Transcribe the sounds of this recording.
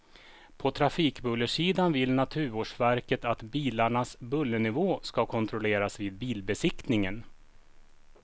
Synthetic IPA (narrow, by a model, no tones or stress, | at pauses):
pʰɔt̪ʰɾafiːkbɵlːəʂiːd̪anvɪlnat̪ʰʉ̟ːɾoːʂvæɾkət̪at̪biːlaɳasbɵlːənɪvoːskakʰɔnt̪ʰɾɔleːɾasviːd̪̚biːlbɛsɪkt̪nɪŋən